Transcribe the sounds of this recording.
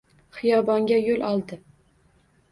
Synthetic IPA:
χɨjɑbɒŋɡʲajolʔɒlˠd̪ɪ

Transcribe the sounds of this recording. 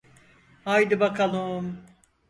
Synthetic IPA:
hajd̪ɯbakʰalˠɯm

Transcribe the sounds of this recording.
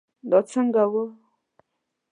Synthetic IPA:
ndɔt͡səŋɡawo

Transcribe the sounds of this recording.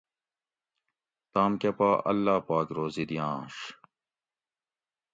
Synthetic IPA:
t̪aːmkɐpaːʔɐ̰lːaːpaːkɾoːzid̪ijãːʂ

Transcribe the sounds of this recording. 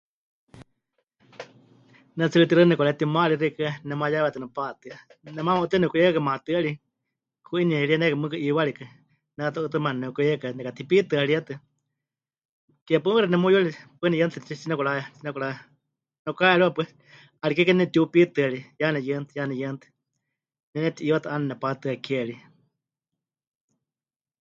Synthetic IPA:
nɛt͡sɨɨt̪iɾɨnɛkɔɾaɛt̪imaliɾikɨnɛmajaβɛt̪ɨnɛpat̪ɨanɛmãmaut̪ɨnɛkuijkakamãt̪ɨali | kʰuiniɛɺianɛkamɨkɨʔiwaɺikɨ | nɛat̪ɔʔɨt̪ɨmannɛkuɾiɛkanɛkat̪ʰipit̪ɨaɺiat̪ɨ | kɛpɨɨɾɛnɛmujualipɨnɛjɨnt̪ʰɨt͡ʃit͡ʃinɛkulaɛt͡ʃinɛkuɾa | nɛkaɛɺiwapʷɛ | alikɛkɛnɛnɛt̪iupit̪ɨaɺijanɛjɨnt̪ɨjanɛjənt̪ʰɨ̥ | nɛnɛt̪iʔiwat̪ɨʔanɛnɛpat̪ɨakʰɛɺi

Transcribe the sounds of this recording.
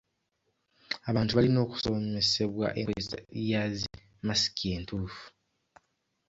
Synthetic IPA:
aβaːntuβalino̞ːku̥so̞me̞se̞βwa̰ʔḛŋoesa̰jazi | masi̥kie̞ːntuːfu̥

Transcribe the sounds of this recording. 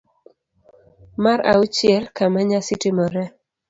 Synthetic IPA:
maɾa̰ut͡ʃjɪɛlkamaɲasɪtimɔɾɛ

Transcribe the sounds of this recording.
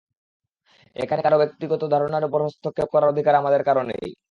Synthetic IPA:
ḛkʰanekaɾobek̚t̪iɡɔt̪od̪ʱaɾonaɾupoɾɦost̪ʰokʰːep̚kɔɾaɾod̪ʱikaɾamad̪eɾkaɾonḛj

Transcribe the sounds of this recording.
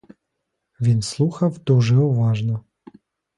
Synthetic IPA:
ʋʲinslˠuxɐwd̪uʐɛuʋɑʐnɔ

